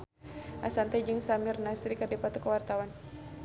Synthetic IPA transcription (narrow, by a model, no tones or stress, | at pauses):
ʔa̰sant̪ɛd͡ʒɨŋsamirnasɾikərdipat̪ukəwart̪awan